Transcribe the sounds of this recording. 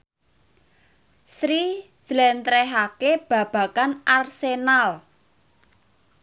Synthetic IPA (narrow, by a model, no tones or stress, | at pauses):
sɾi̥ | ʒ̥lɛnt̪ɾɛɦakeb̥ä̤b̥ä̤kanʔarsenal